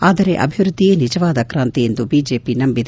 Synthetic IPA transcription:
aːd̪ɐɾe̞ʔɐ̰bʱiʋɾud̪ʱːijeːnid͡ʒɐʋaːd̪ɐkɾaːnt̪iend̪ubiːd͡ʒe̞ːpinɐmbid̪

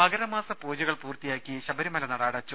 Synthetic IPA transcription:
pɐɡɐɾɐmaːsɐpoːd͡ʑɐɣɐɭpuːrt̪ijaːkʲːiɕɐbɐɾimɐlɐnɐɽaːɽɐt͡ɕːu

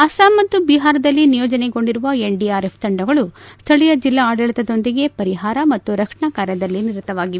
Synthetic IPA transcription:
ɐsaːmːɐt̪ːubiɦaːɾɐd̪ɐlːinijɔːd͡ʒɐneɡo̞ɳɖiɾuʋɐe̞ɳɖiaːɾe̞pʰd̪ɐɳɖɐɡɐɭust̪ʰɐɭijɐd͡ʒilːaːɖɐɭit̪ɐd̪o̞nd̪iɡe̞pɐɾiɦaːɾɐmɐt̪ːuɾɐkʂɐɳakaːɾjɐd̪ɐlːiniɾut̪ːɐʋaːɡi

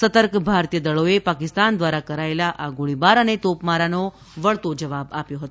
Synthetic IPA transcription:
sət̪əɾkbʱaɾt̪ijəd̪əɭoepakɪst̪and̪ʋaɾakəɾaelaʔaɡoɭibaɾənet̪opmaɾano | ʋəɭt̪od͡ʒəʋabapjoɦət̪o

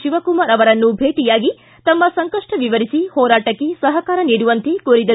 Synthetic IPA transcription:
ʃiʋɐkumaːɾɐʋɐɾɐnːubʱeːʈijaːɡi | t̪ɐmːɐsɐŋkɐʂʈɐʋiʋɐɾisihɔːɾaːʈɐkːesɐɦɐkaːɾɐniːɽuʋɐnt̪ekuːɾid̪ɐ

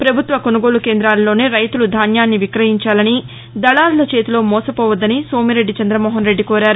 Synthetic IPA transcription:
pɾɐbʱut̪ʋɐkonuɡo̞ːɭukeːnd̪ɾaːlɐlo̞ːne̞ːɾɐjt̪ulud̪ʱaːnjaːnːiʋikɾɐɦiɲt͡ʃaːlɐni | d̪ɐɭaːlulɐt͡ʃe̞ːt̪ulo̞ːmɔːsɐpɔːʋɐd̪ːɐniso̞ːmiɾe̞ɖːit͡ʃɐnd̪ɾɐmoːɦɐnɾeɖːikoːɾaːɾu

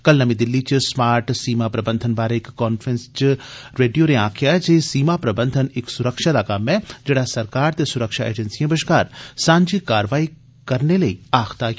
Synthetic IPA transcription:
kɐlnɐmĩd̪ɪlːit͡ʃismaːɾʈsiːmapɾɐbə̃nd̪ʱənbaːɾeɪkːɔːnfʰɾẽnst͡ʃiɾeːɖijonẽãːkʰijad͡ʒeːsiːmapɾɐbə̃nd̪ʱənɪksʊɾəkʃad̪akaːmɛ̃d͡ʒeːɽasɐɾkaːɾt̪esʊɾəkʃaʔḛːd͡ʒɐnsiẽbəʃkaːɾsãːɲd͡ʒikaːɾʋaːi | kɐɾnelɐiaːxt̪a

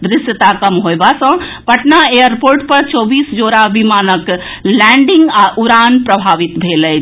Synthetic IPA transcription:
d̪ɾɪsjət̪akəmɦoebasə̃pəʈnaejəɾpoɾʈpəɾt͡ʃɔːbiːsd͡ʒoːɾabimaːnək | lɛ̃ɳɖiŋɡaʔuɾanpɾəbʱaːʋit̪bʱelɛ

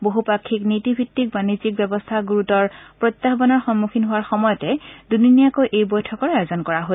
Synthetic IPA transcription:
boɦupakʰːiknitibʱitːik̚banizik̚bɛbɔstʰaɡuɹutɔɹpɹɔt̪ːaxbɔnɔɹxɔnmukʰinɦʊwaɹxɔmɔjɔtɛduninijakojʔejbɔjtʰɔkɔɹajɔzɔnkɔɹaɦo

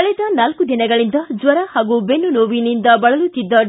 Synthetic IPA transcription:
ɐɭɛd̪ɐnɐlkud̪inɐɡɐɭind̪ɐd͡ʒʋɐɾɐhaːɡubenːunoːʋinind̪ɐbɐɭɐlut̪ːid̪ːɐ

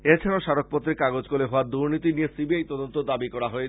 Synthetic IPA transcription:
et͡ɕʰanoʃaɾok̚pɔt̪ːɾekaɡod͡ʑkoleɦɔaɾd̪uɾnit̪inijesibiajt̪ɔd̪ont̪od̪abikɔɾaɦoe

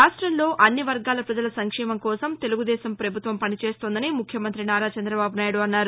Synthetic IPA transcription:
ɾaːʂʈɾɐmlo̞ːʔɐnːiʋɐɾɡaːlɐpɾɐd͡ʒɐlɐsɐŋkʂɛːmɐmkɔːsɐmt̪e̞luɡud̪ɛːsɐmpɾɐbʱut̪ʋɐmpɐnit͡ʃeːst̪oːnd̪ɐnimukʰjɐmɐnt̪ɾinaːɾaːt͡ʃɐnd̪ɾɐbaːbunaːjɐɽuɐnːaːɾu

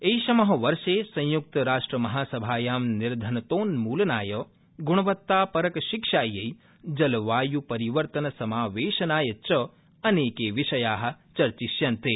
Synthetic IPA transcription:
ejʃɐmɐɦɐʋɐɾʃeːsɐ̃j̃juk̚t̪ɐɾaːʂʈɾɐmɐɦaːsɐbʱaːjaːmniɾd̪ʱɐnɐt̪oːnmuːlɐnaːjɐ | ɡuɳ̃ɐʋɐt̪ːaːpɐɾɐkɐʃikʃaːjɐj | d͡ʒɐlʋaːjupɐɾiʋɐɾt̪ɐnɐsɐmaːʋeːʃɐnaːjɐt͡ʃɐ | ɐneːkeːʋiʃɐjaːɦɐ̆t͡ʃɐɾt͡ʃiʃjɐnt̪eː

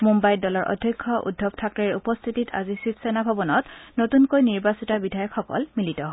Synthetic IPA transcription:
mumbajdɔlɔɹʔɔ̰dʱjɔkʰːɔʔṵdʱːɔbtʰak̚tɔiupɔst̪ʰitita̰zisitsɛnabʱɔbɔnɔtnotunkojniɹbasitabidʱajɔkʰxɔkɔ̰lmilitɔɦɔ

